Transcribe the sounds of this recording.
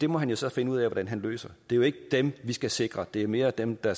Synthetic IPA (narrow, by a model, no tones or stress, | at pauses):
d̥e̝mɒ̽ɦænjo̝sɒ̽fe̝nəuð̰ˠɛʋɒd̥ænɦænlø̰ːsɐd̥e̝ɐjo̝e̝ɡ̥əd̥emʋisɡ̥æse̝ɡ̥ʁɐd̥e̝æɐme̝ːɐd̥emd̥ɑ